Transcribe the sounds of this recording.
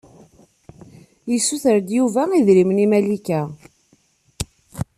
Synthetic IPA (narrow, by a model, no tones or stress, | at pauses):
jəsːuθəɾd̪juvæiðɾimnimælikæ